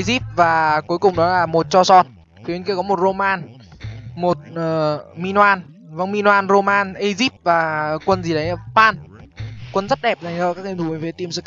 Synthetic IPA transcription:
zi˦˥p̚vaː˨˩ku˨˦jkʊ˨˩ŋ͡mɗɔ˨˦laː˨˩mo˨˩t̚t͡ɕɔ˧sɔ˧t̚ | fi˨˦nki˧əkɔ˨˦mo˨˩t̚zo˧maː˧n | mo˨˩t̚ʔəː˨˩mi˧nwaː˧n | və˧ŋŋ͡mmi˧nwaː˧nro˧maː˧nʔə˧jzi˦˥p̚vaː˨˩kwə˧nzi˨˩ɗə˨˦jpaː˧n | kwə˧nzə˦˥t̚ɗɛ˨˩p̚zaː˨˩ŋzə̰ː˧˨kaː˦˥k̚ʔe˧mt̪ʰu˧˩ə˨˦fe˨˦t̪i˧əmsɨ˧˩k

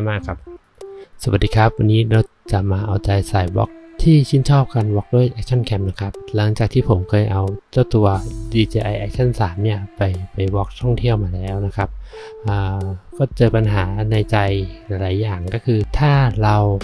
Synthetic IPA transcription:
maː˥˩kʰːa˦˥p̚ | sa˨˩wa˨˩d̥̪iː˧kʰa˦˥p̚wa˧nːiː˦˥ɾa˧w | t͡ɕa˨˩maː˧ʔa˧wt͡ɕa˧jsaː˨˩jbɔ̰ː˦˥k̚t̪ʰiː˥˩sʰi˥˩nt͡ɕʰɔː˥˩p̚ka˧nwɔː˦˥k̚du˥˩əjʔɛ˦˥k̚t͡ɕʰa˥˩nkʰɛ˧˥m̚na˦˧˥kʰa˦˥p̚la˩˦ŋt͡ɕaː˨˩k̚t̪ʰiː˥˩pʰo˩˦mkʰɤː˧jʔa˧wt͡ɕa˥˩t̪u˧ɐdiː˧t͡ɕeː˧ʔa˧jʔɛː˦˧˥k̚t͡ɕʰa˥˩nsaː˩˦mni˥˩ɐpa˧jpa˨jwɔː˦˥k̚t̪ʰɔ˥˩ŋt̪ʰi˥˩əwmaː˧lɛː˦˥wna˦˥kʰa˦˥p̚ʔaː˩˨˩kɔː˥˩t͡ɕɤː˧pa˧nɦaː˩˦na˧jt͡ɕa˧jla˨˦jlaː˩˦jːaː˨˩ŋkɔː˥˩kʰɯː˧t̪ʰaː˥˩ɾa˧w

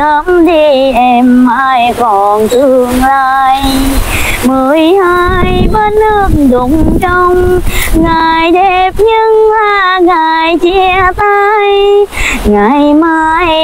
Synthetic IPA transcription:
ə˧˦mɗi˧ʔɛ˧mːaː˧jkɔ˨˩nt̪ɨ˧˩əŋlaː˧˩j | mɨ˨˩əjhaː˧ | jɓə˧˦nlɨ˧˩ŋɗʊ˨˦ŋ͡mt͡ɕɔ˧wŋ͡mŋa˨˩jɗe˧˩p̚ɲɨ˧ŋlaː˨˩ | ŋa˨˩jt͡ɕɛ˧˥˧ət̪a˧j | ŋa˨˩jmaː˧j

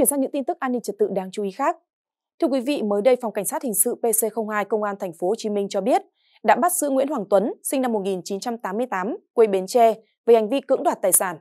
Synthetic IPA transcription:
t͡ɕi˧˩ənzaː˧ɲɨ̰˧˥ŋt̪i˧nt̪ɨ˦˥k̚ʔaː˧nːï˧ŋ̟t͡ɕə˨˩t̚t̪ɨ̰˧˨ɗaː˧ŋt͡ɕu˨˦i˨˦xaː˦˥k̚ | t̪ʰɨ˧əkwi˨˦vḭ˧˨məː˨˦jɗə˧jfa˨˩wŋ͡mka˧˩ŋ̟saː˦˥t̚hï˨˩ŋ̟sɨ̰˧˨pe˧se˧xə˧wŋ͡mhaː˧jkə˧wŋ͡mʔaː˧nt̪ʰɛ˨˩jŋ̟fo˨˦ho˨˩t͡ɕi˨˦mï˧ŋ̟t͡ɕɔ˧ɓi˦˥ət̚ | ɗa̰ː˧˥ɓa˦˥t̚sɨ̰˧˥ŋwḭ˧˥ənhwaː˨˩ŋt̪wə˨˦nsï˧na˧mːo˨˩t̚ŋi˨˩nt͡ɕi˨˦nt͡ɕa˧mt̪aː˨˦mːɨ˧əjt̪aː˨˦mkwe˧jɓe˨˦nt͡ɕɛ˧ | veː˨˩ha˨˩jŋ̟vi˧kɨ̰˧˥ŋɗwaː˨˩t̚t̪aː˨˩jsaː˧˩n

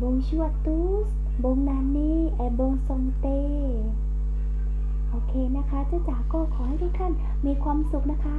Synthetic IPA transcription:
bo˧ŋt͡ɕu˧˩ə˨t̪uː˧˥ | s | bo˧ŋnaː˧˩ni˧˩˨ʔɛ˨˩bo˧ŋso˧˩ŋt̪eː˧ | ʔoː˧kʰeː˧na˦˧˥kʰa˦˥t͡ɕa˧˩t͡ɕaː˨˩wkɔː˧˩kʰɔː˨˦ha˧˨jduː˧˥˩k̪ʰa˧˥˩n | miː˧˥kʰwaː˧msu˨k̚na˦˥kʰa˦˥

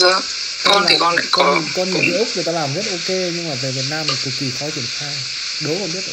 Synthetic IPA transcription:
zə˧ | kɔ˧ni˨˩kɔ˧nla̰ː˧˨kɔ˧˨kɔ˧nɲɨ˨ŋkḭ˧˦ʔʊ˦˥k͡p̚nə˨˩t̪aː˧laː˨˩mzə˦˥t̚ʔo˧ke˧ɲɨ˧ŋmaː˨˩ve˨˩vi˨˩ət̚naː˧mla˨˩t̪ʰɨ˨˩k̚i˨˩xɔ˨˦t͡ɕi˧˩ənxaː˧j | ɗo˨˦kɔ˨˧˩ɓi˦˥ət̚ʔ

